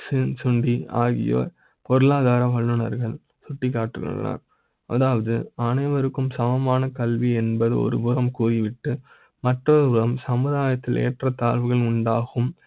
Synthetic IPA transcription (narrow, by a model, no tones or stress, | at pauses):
sɪnsʊɳɖiaːɣɪ̰jo̰ː | pɔɾɯɭaːðaːɾɐʋɐɭːɯɳɐ̰ɾɣɐɭ | sʊʈːɪkːaːʈrɯɣ̰na̰ːɾ | ʔɐ̰ðaːʋɐðɯɐnɐɪʋɐɾɯkːɯmsɐʋɐmaːnɐkɐlʋiɛnbɐðɯ̰ɔ̰ɾɯbʊrɐmkuːrɪʋɪʈːɯ | mɐʈrɔɾɯʊɾɐmsɐmɯðaːjɐt̪ːɪlḛːʈrɐt̪aːlʋɯɣɐɭʊɳɖaːɣɯm